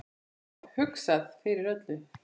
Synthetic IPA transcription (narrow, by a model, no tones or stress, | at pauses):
hʏksaðfɪɾɪɾœt̪lʏ